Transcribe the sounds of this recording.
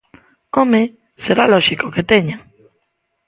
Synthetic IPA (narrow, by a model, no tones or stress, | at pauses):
ome | seɾaloʃikoket̪eɲa